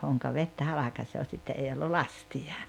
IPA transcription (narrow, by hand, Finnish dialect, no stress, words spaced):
hoŋkɑ ʋetːæ hɑlɑkɑsoː sitːe ei olːu lɑstiɑ